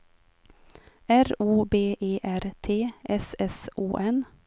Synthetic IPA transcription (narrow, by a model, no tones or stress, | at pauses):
æɾuːbeːʔeːʔæɾt̪ʰeːʔɛsɛsʔuːʔɛn